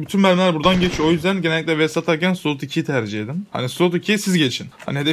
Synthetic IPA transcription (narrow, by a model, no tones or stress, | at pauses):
byt̪ʰynmæɾmlʲæɾbuɾd̪anɟet͡ʃʰo̞jyzd̪ænɟenɛlʲːictlʲɛvɛsat̪ʰaɾcænsulˠut̪icʰijt̪ʰæɾd͡ʒied̪imha̰nislut̪icʰijsizɟet͡ʃʰinha̰niɦed̪ɛ